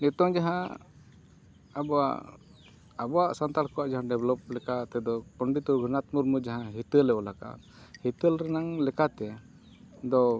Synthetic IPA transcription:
nɛt̪ɔŋd͡ʒaɦã | abɔa̰ʔ | abɔwaʔsant̪alkɔwaʔd͡ʒaɦãɖɛblɔp̚lɛkat̪ɛd̪ɔpɔɳɖit̪ɔɡʱənat̪muɾmud͡ʒaɦãɦit̪əlɛʔɔlaka̰ʔ | hit̪əlɾɛnaŋlɛkat̪ɛ | d̪ɔ

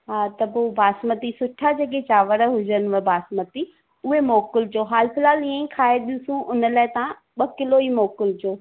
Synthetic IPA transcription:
ɦaːt̪ɐbobʱaːsmət̪isʊʈʰad͡ʑeːk̬et͡ɕaːʋəɾəɦʊd͡ʑənʋəbʱaːsmət̪i | ʊɦemoːkɪld͡ʑoːɦaːlpɪlaːlĩə̃ĩkʰaːeɗijũsũʔʊnəlaːɪt̪ɐã | ɓɐkɪloimoːkɪld͡ʑoː

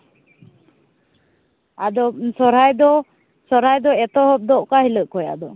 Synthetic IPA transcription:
a̰d̪ɔsɔɾajd̪ɔ | sɔɾ̤ajd̪ɔɛt̪ɔhɔp̚d̪ɔʔkahiləʔkɔja̰d̪ɔ

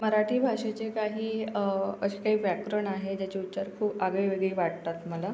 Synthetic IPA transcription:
məɾaʈʰiːbʱaʂet͡ɕekaɦiːəɕekaɦiːʋjakɾəɳaɦed͡ʑjat͡ɕeut̪ːsaɾkʰuːpaɡəiʋeɡɭiːʋaɽ̚t̪at̪məla

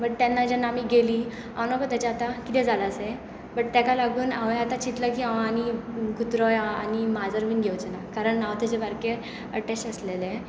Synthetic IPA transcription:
bəʈ̚t̪anːad͡ʑanːaamiːɡeliː | a̰ʋnokət̪at͡ɕaat̪akit̪ɛ̃d͡zʱalase | bəʈ̚t̪jakalaɡuːnaʋat̪at͡ɕit̪ləkiːaʋaːñiɡut̪ɾɔjaanimad͡zəɾʋiːnɡʱewt͡sənakaɾəɳːawt̪ed͡ʑebaɾke | əʈesʈəslele

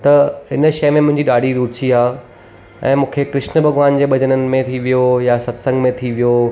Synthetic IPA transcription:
t̪ɐɪnʃɐjmẽmʊ̃ɦɪ̃ɲd͡ʑiɗaːɖʱiɾuːt͡ɕiaː | ɛ̰̃ːmũːkʰekɾɪʃnbʱɐɡʋaːnd͡ʑeːɓɐd͡ʑənənɪ̆mẽt̪ʰiʋijojasɐt̪sə̃ŋɡmẽt̪ʰiʋijo

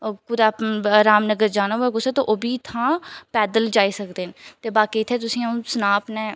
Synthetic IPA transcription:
kʊd̪aɾaːmnəɡəɾd͡ʒaːnaːɦuɛːɡʊseːt̪oʔoːbiːt̪ʰãːpɛːd̪əld͡ʒaːiːsəkd̪eːnt̪eːbaːkiːt̪ʰːeːt̪ʊsĩːaũsənaːpnɛ̃ː

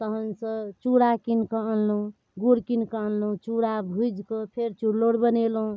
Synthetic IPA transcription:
t̪əɦənsə̃t͡ʃuɽakinkəəllũ | ɡuɽkinkəənlũt͡ʃuɽabʱud͡ʒkəpʰeɾt͡ʃuɽloɽbənelɦũ

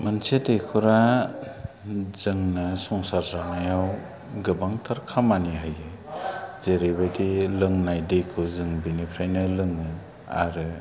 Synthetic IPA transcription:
mɯnsetekʰuɾa | zɯŋnɯsɔŋsaɾzanajaw | ɡɯbaŋtʰaɾkʰamaniɦajɯ | z̥eɾebajdilɯŋnajdejkʰɯzɯŋbinipʰɾajnɯlɯŋɯ | a̰ɾɯ

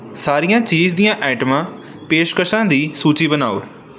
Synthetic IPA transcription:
saːɾijãːt͡ʃiːzd̪ijãːʔɛːʈəmãː | peːʃkəʃãːd̪iːsuːt͡ʃiːbənaːoʊɾ

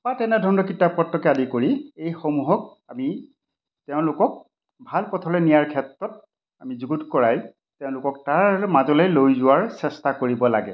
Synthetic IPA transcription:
patɛnɛdʱɔɹɔnɔkitapɔtːɔkjadikoɹiejxomuɦɔk̚ami | tɛʊ̃lʊkɔk̚ | bʱalpɔtʰɔlɛnijaɹkʰɛtɹɔt̚ | amizuɡutkɔɹaj | tɛʊ̃lʊkɔk̚taɹmazɔlɛlojzʊwaɹsɛstakoɹibɔla̰ɡɛ

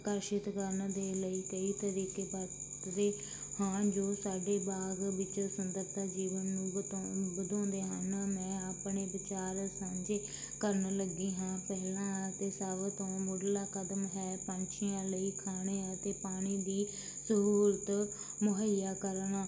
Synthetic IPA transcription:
kəɾʃɪt̪kəɾnd̪eːləiːkəiːt̪əɾiːkeːbat̪ɾeː | hãːd͡ʒoːsaːɖeːbaːɡʋɪt͡ʃsənd̪əɾt̪aːd͡ʒiːʋənːũːbəd̪ɔ̃ːnd̪eːɦənmɛ̃ːaːpɳeːbɪt͡ʃaːɾsãːɲd͡ʒeː | kəɾnləɡiːɦãːpɛɦlãːt̪eːsaːʋt̪õːmoːɖlaːkəd̪mɦɛːpə̃ɲt͡ʃʰijãːləiːkʰaːɽ̃eːãt̪eːpaːɽ̃iːd̪iː | səɦuːɾət̪ | mʊɦəjaːkəɾnaː

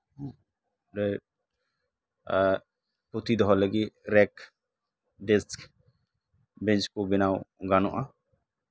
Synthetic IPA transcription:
ɾɛ | put̪id̪ɔɦɔləɡiɾɛk | ɖɛsk | bɛnt͡ʃkɔbɛnawɡanɔʔa

